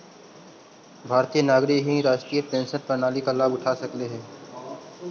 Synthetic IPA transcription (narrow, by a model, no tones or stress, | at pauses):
bʱaːɾt̪ijənaːɡɾɪkɦĩɾaːʃʈɾiːəpẽːnsəɾpənaːlikalaːbʊʈʰaːsɐkleɦɛ̃ː